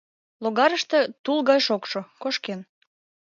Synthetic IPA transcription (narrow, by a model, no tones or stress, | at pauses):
loɣɑɾəʃt̪ĕt̪ulˠɣɑjʃokʃokoʃken